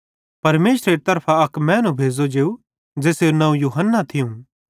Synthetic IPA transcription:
pɐɾmeːsɾeɾt̪ɐɾpʰaɐkmɛ̃ːnũbʱeːd͡zod͡ʒeːu | d͡ʒeːseːnɐ̃ũjuːɦənːat̪ʰɪjũ

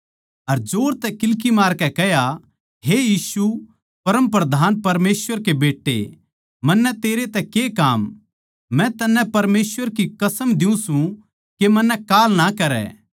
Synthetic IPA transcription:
ɐɾd͡ʒoːɾt̪ɛkɪlk̬imaːɾkɛkɛɦja | ɦejiːsu | pɐɾə̃mp̬ɾɐd̪ʱaːnpɐɾmeːsʋəɾkebeːʈːḛ | mɐnːɛt̪eːɾet̪ɛkekaːmː | ɛ̃t̪ɐnːɛ̃pɐɾmeːsʋəɾkikɐsəmd̪ɪũsũ | kemɐnːɛkaːlnakɐɾɛ̰ː

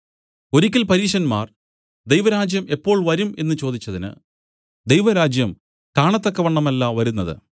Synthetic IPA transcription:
o̞ɾikʲːilpɐɾiːʂɐnmaːr | d̪ejʋɐɾaːd͡ʑjɐme̞pːo̞ːɭʋɐɾume̞nːɨt͡ɕo̞ːd̪it͡ɕːɐðinɨ̰ | d̪ejʋɐɾaːd͡ʑjɐm | kaːɳɐt̪ːokːɐʋɐɳːɐmɐlːɐʋɐɾunːɐðɨ̰

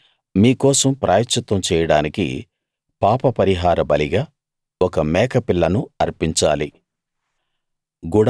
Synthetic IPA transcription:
miːkɔːsɐmpɾaːjɐt̪ʃɐt̪ʋɐmt͡ʃɛːjɐɽaːnikḭ | paːpɐpɐɾiɦaːɾɐbɐliɡaː | ɔkɐmɛːkɐpilːɐnuɐɾpiɲt͡ʃaːli | ɡuɽ

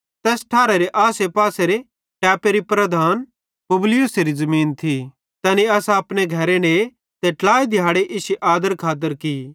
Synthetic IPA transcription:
t̪ɛːsʈʰaːɾeɾeʔaːsepaːseɾe | ʈɛːpeɾipɾɐd̪ʱaːn | pʊblɪjuseɾizɐmiːnt̪ʰi | t̪ɐniɐsaɐpneɡʱɐɾene | t̪eʈlaːid̪ʱɪjaːɽeʔɪsiʔaːd̪əɾkʰaːt̪̬əɾki

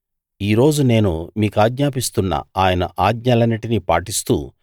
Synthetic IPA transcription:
iːɾo̞ːd͡ʒune̞ːnumiːkaːɡɲaːpist̪unːɐ̰aːjɐnɐ̰ʔaːɡɲɐlɐniʈinipa̰ːʈist̪ṵː

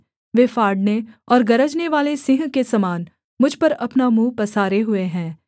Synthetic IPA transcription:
ʋeːfaːɾɖneɔːɾɡɐɾəd͡ʒneʋaːlesɪ̃ɦkesɐmaːn | mʊd͡ʒʱpɐɾɐpnamũːpɐsaːɾeɦʊeɦɛ̃ː

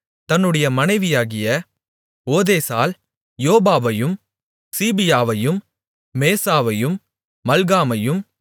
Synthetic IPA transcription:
t̪ɐnːɯɽɐjɐmɐnɐɪʋɪjaːɣɪjɐ | oːðeːsaːl | joːbaːʋɐjɯm | siːbɪjaːʋɐjɯmː | eːsaːʋɐjɯmː | ɐlɣaːmɐjɯm

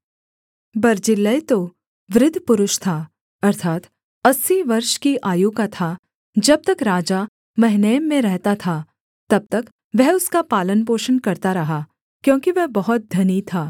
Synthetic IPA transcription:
bɐɾd͡ʒɪlːəjt̪o | ʋɾɪd̪ʱːpʊɾʊʃt̪ʰaː | ɐɾt̪ʰaːt̪ | ɐsːiʋɐɾʃkiʔaːjuːkat̪ʰa | d͡ʒɐb̚t̪ɐkɾaːd͡ʒa | mɐɦɪnəjmːẽɾɛɦt̪at̪ʰa | t̪ɐb̚t̪ɐk | ʋɛɦʊskapaːlənpoːʃənkɐɾt̪aɾɐɦa | kjõːkiʋɛɦbɐɦɔt̪̚d̪ʱɐnit̪ʰaː

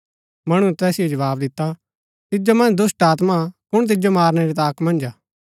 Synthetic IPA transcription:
mɐɽ̃uɛt̪ɛːsɪjod͡ʒɐʋaːbd̪ɪt̪ːa | t̪ɪd͡ʒomɐ̃nd͡ʒd̪ʊsʈaːt̪makʊɽ̃t̪̬ɪd͡ʒomaːɾñɛɾit̪̬aːkmɐ̃nd͡ʒaː

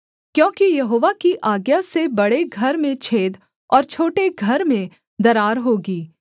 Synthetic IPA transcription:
kjõːkijɐɦoːʋakiʔaːɡjasebɐɽeɡʱɐɾmẽt͡ʃʰeːd̪ | ɔːɾt͡ʃʰoːʈeɡʱɐɾmẽ | d̪ɐɾaːɾɦoːɡiː

